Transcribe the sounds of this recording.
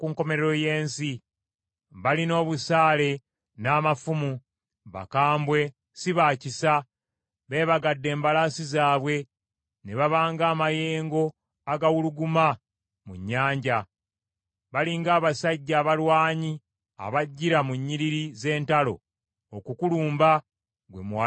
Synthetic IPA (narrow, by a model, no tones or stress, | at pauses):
kuːŋko̞me̞ɾeɾo̞je̞ːnsi | βalino̞ːβusaːle̞ | naːmafumu | βa̰kaːmbwe̞ | siβaːcisa | βe̞ːβaɡadːe̞ːmbalaːsizaːβwe̞ | ne̞βaβaːŋɡaːmaje̞ːŋɡo̞ | aɡawuluɡuma | muɲːaːɲɟa | βaliŋɡaːβasaɟːaːβalwaːɲi | a̰βaɟːiɾamuɲːiɾiɾize̞ːntalo̞̰ | okukuluːmba | ɡwe̞̰mwa